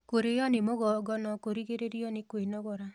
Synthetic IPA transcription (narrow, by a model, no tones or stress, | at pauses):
koɾejɔnɪmoɡɔɡɔnɔkoɾiɡeɾeɾijɔnɪkwenɔɡɔɾa